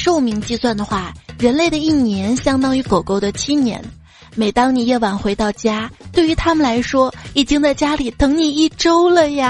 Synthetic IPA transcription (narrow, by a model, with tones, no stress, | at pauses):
ʂo˥˧ʊmi˧˥ŋt͡ɕi˥˧swa˥˩nd̪ə˩xwa˥˩ɻə˧˥nle˥˩ɪɾə˩i˥˩njɛ˧˥nɕjɑ˥ŋt̪ɑ˥ŋy˧˥ko˨˩ʊko˥˩ʊd̪ə˨t͡ɕʰi˥njɛ̰˧˥n | me˨˩ɪt̪ɑ˥ŋni˨˩jɛ˥˩wa˨˩ŋxwe˧˥ɪt̪ɑ˥˩ʊt͡ɕja˥t̪we˥˩y˧˥t̪ʰa˥mə˨˩nla˧˥ɪʂwɔ˥i˨˩t͡ɕi˥ŋt͡sa˥˩ɪt͡ɕja˥li˨˩t̪ʰɤ˧˥ŋni˨˩i˥˩ʈ͡ʂo˥ʊlə˨ja˧